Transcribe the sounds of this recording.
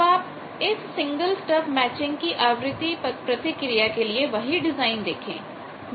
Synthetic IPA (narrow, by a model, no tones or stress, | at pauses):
aːp | ɪssɪ̃ŋɡəlsʈəpmɛːt͡ʃɪ̃ŋɡkiʔaːʋɾɪt̪ipɾət̪ɪkɾɪjakelieʋəɦiɖɪzaːɪnd̪ḛːkʰḛ̃ː